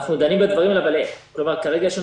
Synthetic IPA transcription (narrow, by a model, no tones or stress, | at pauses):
χnud̪animbed̪vaʁimlabalekklo̞maʁkaʁeɡaʃean